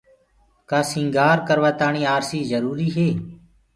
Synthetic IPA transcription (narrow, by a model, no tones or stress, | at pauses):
kaːsĩːŋɡaːɾkəɾʋəːt̪aːɳiːaːɾsiːzəɾuːɾiːɦeː